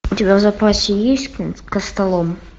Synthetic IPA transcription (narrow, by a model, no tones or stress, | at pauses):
t̪ʲɪbʲavzɐpɾasʲɪjesʲtʲkkəst̪ɐlˠom